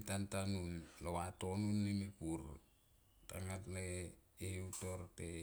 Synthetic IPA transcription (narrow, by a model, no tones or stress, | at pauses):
tantanunlowatonunːemepuɾ | taŋatleːheutoɾte